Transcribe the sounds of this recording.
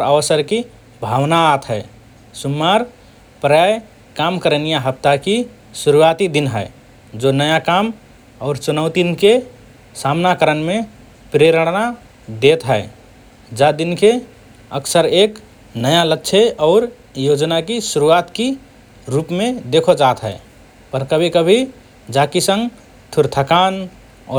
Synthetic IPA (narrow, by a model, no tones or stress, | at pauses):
ɾəʋəsəɾki | bʱawnaːt̪ɦəe | sumːaɾ | pɾəjaj | kamkəɾənijaɦəp̚t̪aki | suɾuat̪id̪inɦəɪ | d͡ʒonəjakam | ɔʊɾt͡ʃunəʊt̪inke | samnakəɾənme | pɾeɾəɽna | d̪et̪ɦəe | d͡ʒad̪inke | ə̰ksəɾek | nəjalətːʃʰeɔːɾ | jod͡ʒnakisuɾuat̪ki | ɾupmẽd̪ekʰod͡ʒaːt̪ɦə̰e | pəɾkəbʱikəbʱi | d͡ʒakisə̃ŋɡ | t̪ʰuɾt̪ʰəkaːn | ɔːɾ